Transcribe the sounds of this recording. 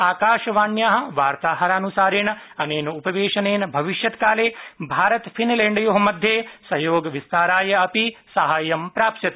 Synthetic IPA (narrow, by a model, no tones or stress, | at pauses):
aːkaːʃɐʋaːnjaːɦɐ̆ʋaːɾt̪aːɦɐɾaːnusaːɾeːɳɐneːnupɐʋeːʂɐneːnbʱɐʋiʃjɐt̪kaːleːbʱaːɾɐt̪pʰinleːɳɖɐjoɦɐmɐd̪ʱjeːsɐjoːɡɐʋist̪aːɾaːjɐɐpisɐɦaːjɐmpɾaːpʃɐt̪